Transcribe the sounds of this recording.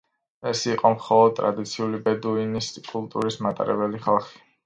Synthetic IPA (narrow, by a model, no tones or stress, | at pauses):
ɛsiqʼɔmχɔlˠɔd̪̚t̪ʼɾa̰d̪it̪sʰiulibɛd̪uiniskʼulˠt̪ʼṵɾismat̪ʼa̰ɾɛbɛliχalˠχi̥